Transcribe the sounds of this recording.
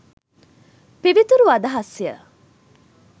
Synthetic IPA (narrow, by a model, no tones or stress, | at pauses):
piʋit̪uɾuɐd̪ɐɦɐsijə̰